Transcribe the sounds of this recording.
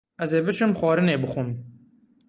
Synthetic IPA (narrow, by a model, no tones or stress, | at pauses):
ɛzeːbɨt͡ʃʰɨmxʷɑːɾɨneːbɨxun